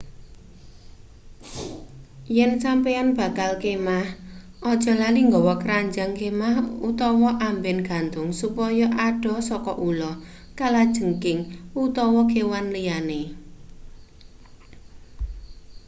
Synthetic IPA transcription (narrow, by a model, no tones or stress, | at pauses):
jɛnsampeanb̥a̤kalkemahʔɔd̥ʒ̥ɔ̤laliŋɡɔwɔkəɾaɲd͡ʒaŋkemahut̪ɔwɔʔambɛnɡ̥a̤nt̪ʊŋsupɔjɔʔaɖ̥ɔ̤sɔkɔʔulɔ | kalad̥ʒ̥əŋkɪŋut̪ɔwɔkewanlijane